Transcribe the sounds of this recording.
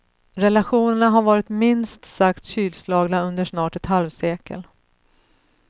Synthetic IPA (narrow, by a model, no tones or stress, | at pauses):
ɾɛlaɧuːnəɳaɦaɾvɑːɾɪt̪mɪnst̪sakt̪ɕyːlslɑːɡnaɵnd̪əʂnɑːʈɛt̪halvseːkə̰l